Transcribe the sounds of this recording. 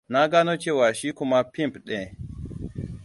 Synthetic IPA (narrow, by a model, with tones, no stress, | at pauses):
na˦ɡa˦no˦t͡ʃe˦wa˨ʃi˦ku˦ma˦pi˦mpɗɛ̃˨